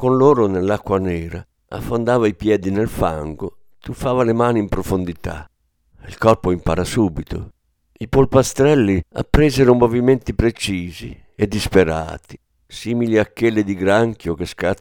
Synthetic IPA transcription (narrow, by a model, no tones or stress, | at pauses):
konloːɾonelːakːwanɛːɾa | a̰fːond̪aːvaipjɛːd̪inɛlfa̰ŋɡo | t̪ufaːvalemaːniimpɾofond̪it̪a̰ | ilkɔrpoimpa̰ɾasuːbit̪o̰ | ipolpast̪ɾɛlːia̰pːɾɛːzɛɾʊmovimɛnt̪ipɾet͡ʃiːzḭ | ɛd̪ːispeɾa̰ːt̪i̥ | siːmiliakːelːɪd̪iɡɾaŋkjokeska